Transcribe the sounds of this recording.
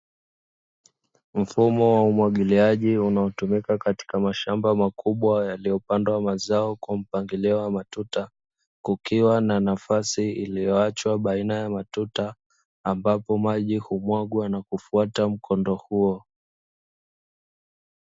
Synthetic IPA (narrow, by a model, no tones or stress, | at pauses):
m̩fumɔwaumwaɠiliaʄiunaɔtumikakati̥kamaʃambamakʰuɓwajalijɔpandwamazaɔkwam̩paŋɡilɛɔamatuta | kukiwananafasiilijɔat͡ʃwaɓainajamatutaː | mbapɔmaʄihumwaɠwanakufuatam̩kʰɔndɔhuɔ